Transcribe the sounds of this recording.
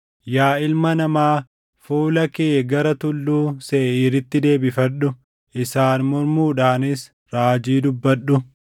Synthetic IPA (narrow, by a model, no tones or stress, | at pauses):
jaːɪlmɐnɐmaː | fuːlɐkeːɡɐɾɐt̪ʊlːuːseːʔiːɾɪt̪ːɪd̪e̞ːbɪfɐᶑʊ | ʔɪsaːnmɔɾmuːᶑaːnɪs | ɾaːd͡ʒiːd̪ʊbːɐᶑːʊ